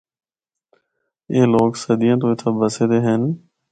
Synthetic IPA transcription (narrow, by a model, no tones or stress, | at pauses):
eːloːksəd̪ɪjãːt̪õːɪt̪ʰaːbəseːd̪eːɦen